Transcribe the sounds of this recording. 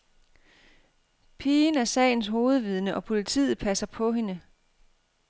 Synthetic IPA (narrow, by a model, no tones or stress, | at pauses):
pʰiːnæɐsɛ̰ɪn̩sɦo̝ːð̞̩ˠʋið̞ˠnəʔɒ̽pʰo̝lit͡sʰḭːð̩ˠpʰæsɐpʰɒ̽ɦe̝nə